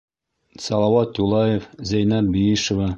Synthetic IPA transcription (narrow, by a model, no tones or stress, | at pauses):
sɑlˠɑwɑt̪julˠɑjefzæjnæt̪̚bijiʃŏvɑ